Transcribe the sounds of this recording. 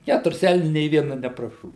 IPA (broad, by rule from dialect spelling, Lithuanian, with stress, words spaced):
ˈkʲætʊrʲɪs ˈɛlʲnʲʊ nʲeː ʋʲiɛnɐ nʲɛprɐˈʃoːʋʲɪ